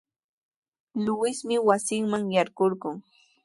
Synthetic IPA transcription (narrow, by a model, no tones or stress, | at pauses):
lʊwɪsmɪwasɪŋmaŋjaɾɢoɾɢʊŋ